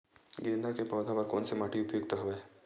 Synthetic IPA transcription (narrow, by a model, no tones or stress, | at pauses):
ɡeːnd̪ʱakepaːd̪ʱabaɾkoːnsimaːʈiʊpjoːɡ̚t̪aɦɐʋeː